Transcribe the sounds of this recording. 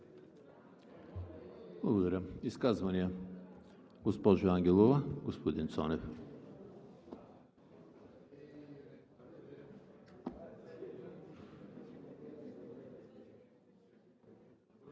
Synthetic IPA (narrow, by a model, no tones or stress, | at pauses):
blˠɐɡod̪ɐɾʲaiskazvɐniɛ | ɡospɔʒoaŋɡʲɛlˠovaɡospod̪int̪sɔnɛf